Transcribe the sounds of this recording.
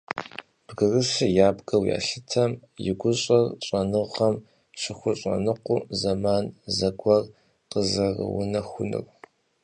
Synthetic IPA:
b̥ɡɨrɨsɨjaːbɡɐwja̰ːɬɨtʰɐmjɪɡʷʊɕʼɐrɕʼɐnɨʁɐm | ʂɪxʷʊɕʼɐ̰nɨqʷʊ̰zɐmaːnzɐɡʷɐr | qəzɐrə̰wʊ̰nɐxʷʊnɨ̰r

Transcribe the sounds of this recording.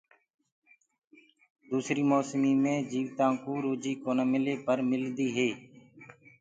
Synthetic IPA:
d̪uːsɾiːmoːsmiːmẽːd͡ʒiːʋt̪ãːkoːɾoːd͡ʒiːkoːnaːmɪleːpəɾmɪld̪iːɦeː

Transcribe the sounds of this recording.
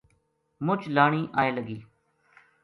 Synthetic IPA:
mʊt͡ʃlaːɳ̃iːʔaːeːləɡiː

